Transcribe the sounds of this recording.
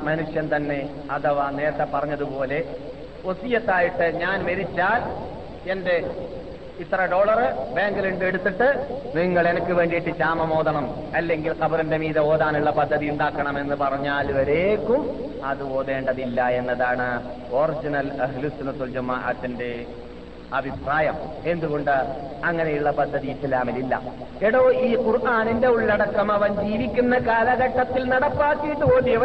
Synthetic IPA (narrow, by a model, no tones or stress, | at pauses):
mɐnuʂjɐnt̪ɐnːe̞ | ɐðɐʋane̞ːɾɐt̪ːɐpːɐrɐɲːɐðupo̞ːle̞ | o̞sijɐt̪ːaːjiʈːɨɲaːnʋɐɾit͡ɕːaːl | e̞nde̞ | it̪ːɐrɐɖo̞ːɭɐrɨbeːŋɡɨliɳɖɨeɽut̪ːiʈːɨniŋːɐɭe̞nɐkːɨʋe̞ːɳɖiiʈːɨt͡ɕaːmɐmo̞ːðɐɳɐm | ɐlːe̞ŋɡilkɐbɐɾɐnde̞miːðɐo̞ːðaːnuɭːɐpɐd̪ʱːɐðijuɳɖaːkːɐɳɐme̞nːɨpɐrɐɲːaːlʋɐɾe̞ːkːum | ɐðɨo̞ːðe̞ːɳɖɐðilːɐe̞nːɐðaːɳɨ | o̞rid͡ʑinɐlɐɦlusunut̪ːuld͡ʑɐmːɐʔɐ̰t̪ːinde̞ | ɐbʱipraːjɐm | e̞nd̪uɣo̞ɳɖɨɐŋːɐne̞juɭːɐpɐd̪ʱːɐðijisɐlaːmililːɐ̰ | eɽoːiːkurʔaːninde̞uɭːɐɽɐkːɐmɐʋɐnd͡ʑiːʋikʲːunːɐkaːlɐɣɐʈːɐt̪ːilnɐɽɐpːaːkːijʈːɨpo̞ːnɖijɐʋɐ